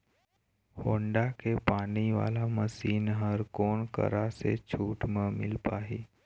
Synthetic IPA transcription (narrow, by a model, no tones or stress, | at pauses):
hoːɳɖakepaːniʋa̰ːlaməsiːnɦəɾkoːnkə̰ɾasḛt͡ʃʰuːʈmə̃mɪlpaːɦeː